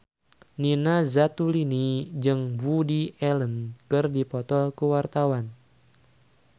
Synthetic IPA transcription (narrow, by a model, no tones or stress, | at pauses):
ninazat̪ulinid͡ʒɨŋvudiʔɛlənkɨrdipɔt̪ɔlkuwart̪awan